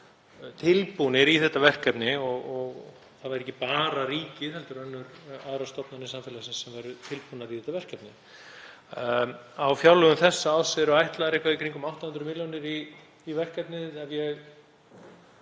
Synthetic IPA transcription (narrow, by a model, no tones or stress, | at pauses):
t̪ʰɪlpunɪɾiθɛht̪ːavɛr̥kɛpnɪɔɣɔɣ | θaðvaɾɛcːɪpaːɾaɾiːcɪθɛlt̪ʏɾœnːʏɾaðɾast̪ɔpnanːɪsamfɪlasɪnsːɛmvajɾʏt̪ʰɪlpunaɾiθɛht̪ːavɛr̥kɛpnɪ | awfjawlœɣʏmθɛsːaːwsɛɾʏajht̪laðaɾehkvaðikʰɾiŋkʏmawht̪ahʏnd̪ɾʏmiljɔnɪɾiː | vɛr̥kɛpnɪðɛnjɛɣ